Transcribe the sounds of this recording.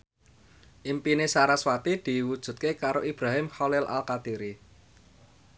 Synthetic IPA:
ʔimpinesaɾaswat̪id̪̥i̤wud̥ʒ̥ṳt̪̚kekaɾoʔib̥ɾaɦɪmhɔlɪlʔa̰lkat̪iɾi

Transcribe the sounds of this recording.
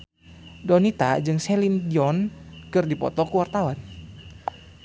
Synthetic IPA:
dɔnit̪ad͡ʒɨŋsɛlindiɔnkɨrdipɔ̰t̪ɔkuwart̪awan

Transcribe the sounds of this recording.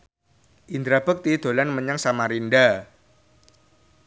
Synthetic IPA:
ʔind̪ɾab̥ək̚t̪id̪̥o̤lanməɲaŋsamaɾinɖa

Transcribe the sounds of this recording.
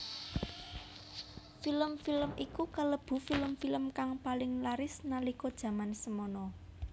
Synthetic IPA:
filəmfiləmikukələb̥ṳfiləmfiləmkaŋpalɪŋlaɾɪsnalikɔd̥ʒ̥ä̤mansəmɔnɔ

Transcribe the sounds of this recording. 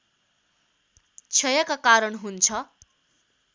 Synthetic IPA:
t͡sʰʌjʌkakaɾʌɳɦunt͡sʰʌ

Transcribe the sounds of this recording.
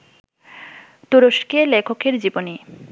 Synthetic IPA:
t̪uɾoʃkelekʰokeɾd͡ʑiboni

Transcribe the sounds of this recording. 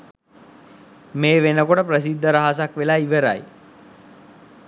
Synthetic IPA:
meːʋenəkoʈəprəs̬id̪ʱːəɾaɦas̬akʋelaːiʋəɾa̰j

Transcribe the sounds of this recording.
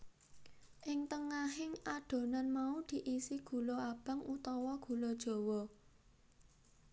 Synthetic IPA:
ʔɪŋt̪əŋaɦɪŋaɖ̥o̤nanmaud̪̥i̤ʔisiɡ̥ṳloab̥a̤ŋʔut̪ɔwɔɡ̥ṳlɔd̥ʒ̥o̤wɔ

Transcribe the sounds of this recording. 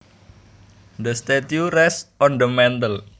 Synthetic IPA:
d̪əst̪et̪juɾɛsʔɔnd̪əmɛnt̪əl

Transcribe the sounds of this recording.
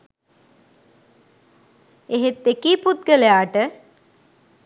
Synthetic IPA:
eɦet̪ːekiːput̪̚ɡəlejaːʈə

